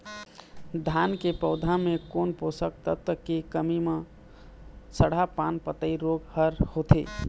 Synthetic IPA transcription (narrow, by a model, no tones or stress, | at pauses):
d̪ʱankepəʊd̪ʱamekonposək̚t̪ət̪əkekəmime | səɽ̤apanpət̪əiɾoɡhəɾhot̪ʰḛ